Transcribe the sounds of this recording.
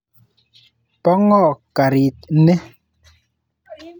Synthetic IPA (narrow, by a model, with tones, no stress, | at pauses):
pɔ˦ŋɔ˦˨ʔka˨ɾi˨t̚nɛ˦